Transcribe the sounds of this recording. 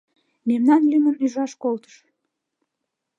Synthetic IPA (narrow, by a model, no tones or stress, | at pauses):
memnɑnlymənyʒɑʃkolt̪ə̥ʃ